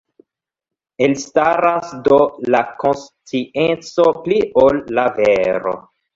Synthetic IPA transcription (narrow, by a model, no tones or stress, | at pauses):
elistaɾasdo̞lako̞nstient͡so̞pliʔolːaveɾo̰